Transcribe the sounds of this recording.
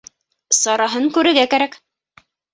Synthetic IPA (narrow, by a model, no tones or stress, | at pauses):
sɑɾɑɦɤŋkʉɾɘ̆ɾɡækæɾæk